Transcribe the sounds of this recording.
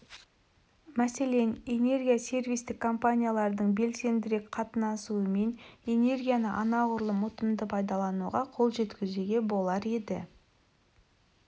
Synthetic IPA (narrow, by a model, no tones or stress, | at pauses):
mæse̞le̞ne̞ne̞rɡʲijasʲe̞rvijst̪ɪkʰːo̞mpanʲijalˠɑɾd̪əɴbe̞lse̞nd̪ɪɾe̞kqʰɑt̪ənɑsuəme̞ne̞ne̞ɾɡʲijanəʔɑnɑʁʊɾlˠəmʊt̪əmd̪əpʰɑjd̪ɑlˠɑnuʁɑqʰo̞lˠʒe̞t̪kʲɪzeɡʲe̞bo̞lˠɑɾe̞d̪ɪ̰